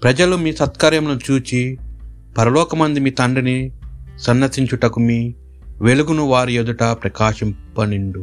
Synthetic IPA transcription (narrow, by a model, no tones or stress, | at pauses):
pɾɐd͡ʒɐlumiːsɐt̪kɐɾjɐmlɐt͡ʃuːt͡ʃi | pɐɾɐlɔːkɐmɐnd̪imiːt̪ɐɳɖinisɐnːɐsiɲt͡ʃuʈɐkumiː | ʋeluɡunuʋaːɾijed̪uʈapɾɐkaːʃɐmpɐniɳɖu